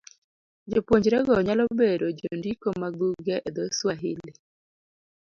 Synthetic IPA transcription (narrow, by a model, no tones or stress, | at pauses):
d͡ʒopwoɲd͡ʒɾɛɡɔɲalɔbeɾod͡ʒondikomaɡuɡɛʔed̪ɔswaɦɪlɪ